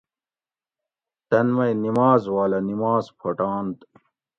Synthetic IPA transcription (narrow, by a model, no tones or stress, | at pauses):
t̪ɐnmɐjnimaːzwaːlɐnimaːzpʰɐʈaːnt̪